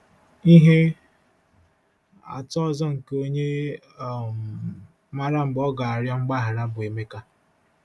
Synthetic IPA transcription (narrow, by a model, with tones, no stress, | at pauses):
i˦ɦe˦ | a̰˨tɔ˦zɔ˦ŋ̩˨ko˦ɲe˦˨ | ma˦ɾa˦ŋ͡m̩˨ɡ͡bɔ˦ɡa˨a˨ɾja˦ŋ͡m̩˦ɡ͡ba˦ɦa˨ɾa˦bʊ˨e˨me˦ka˦